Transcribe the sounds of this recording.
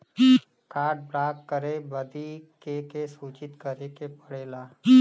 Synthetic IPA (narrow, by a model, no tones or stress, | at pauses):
kaːʈ̚bɾaːkːəɾebəd̪ikekesuːt͡ʃɪt̪kəɾekepɐɽ̤eːlaː